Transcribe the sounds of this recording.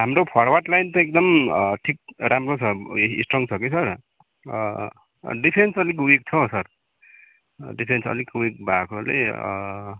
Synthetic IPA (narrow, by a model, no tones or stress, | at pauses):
ɦamɾopʰʌɽwaʈlajnt̪ʌek̚d̪ʌmʈʰik̚ɾamrot͡sʰʌisʈrʌŋt͡sʰʌkesʰʌr | ɖipʰensʌlikuwek̚t͡sʰʌsʌr | ɖipʰensʌ̰likuek̚bʱakolḛʌ̰